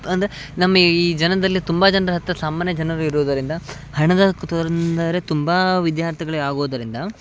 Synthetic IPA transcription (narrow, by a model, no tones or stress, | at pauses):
ɐnd̪ɐɾe | nɐmːɐiːd͡ʒɐnɐd̪ɐlːit̪umbad͡ʒɐnɐdɐɦɐt̪ːɾɐsaːmaːnjɐd͡ʒɐnɐɾuiɾuːd̪ɐɾind̪ɐ | hɐɳɐd̪ɐkt̪ɔɾɐnd̪aɾet̪umbɐʋid̪jaːɾt̪ʰiɡɐɭeaːɡoːd̪ɐɾind̪ɐ